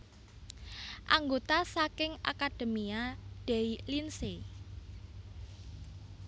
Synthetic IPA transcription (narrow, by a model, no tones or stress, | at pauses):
ʔaŋɡot̪asakɪŋa̰kad̥e̤miaɖ̥eilinse